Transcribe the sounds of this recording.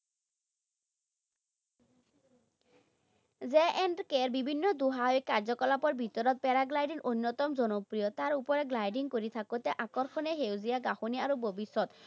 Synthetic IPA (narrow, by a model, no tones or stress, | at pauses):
d͡ʑeʔɛnɖkeɾbibʱinːɔd̪uɦaoekaɾd͡ʑɔkɔlapɔɾbʱit̪ɔɾɔt̪̚pɛɾaɡlajɖiɾʔonːot̪ɔmd͡ʑɔnopɾijot̪aɾupɔɾeɡlajɖiŋkoɾit̪ʰakot̪ɛʔakɔɾkʰɔneɦewziaɡaxoniaɾobʱobiʃːɔt̪